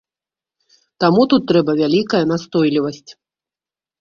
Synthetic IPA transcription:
t̪amut̪ut̪ːɾɛbɐvʲalʲikɐjɐn̪ast̪ɔjlʲivɐsʲt͡sʲ

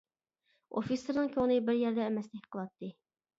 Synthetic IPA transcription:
o̰fisɨɾnɨŋkʲʰøŋnɨbɪɾjɛɾd̪ɛːmɛslɪkʲqʰəlˠɑt̪ʰːɨ

